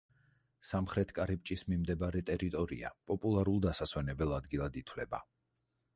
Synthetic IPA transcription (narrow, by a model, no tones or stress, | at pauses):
samχɾɛt̪ʰkʼaɾipʼt͡ʃʼismimd̪ɛbaɾɛt̪ʼɛɾit̪ʼɔɾḭa̰pʼɔpʼulˠaɾulˠd̪asaswɛnɛbɛlˠad̪ɡilˠad̪it̪ʰwlɛba